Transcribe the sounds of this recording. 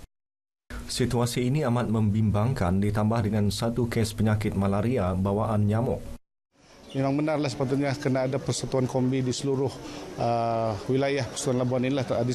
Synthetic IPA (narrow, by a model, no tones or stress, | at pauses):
sit̪uasiːniamat̪̚məmbimbaŋkandit̪ambahdəŋansat̪ukɛspəɲakɪt̪̚malaɾiabawaʔanɲamɔʔ̚ | memaŋbənarlahsə̥pat̪ʊt̪̚ɲakənaːdapərsat̪uankombidisəluɾʊhəwilajahpḁsuanlabuaninilah̪adi